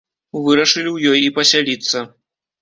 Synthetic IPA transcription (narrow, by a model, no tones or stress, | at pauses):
vɨɾɐʂɨlʲiwjɔjipɐsʲalʲit̪sːɐ